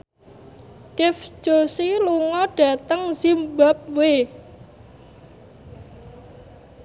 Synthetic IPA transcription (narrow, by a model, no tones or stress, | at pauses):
kɪfd̥ʒ̥o̤siluŋɔɖ̥ä̤t̪əŋzimbap̚we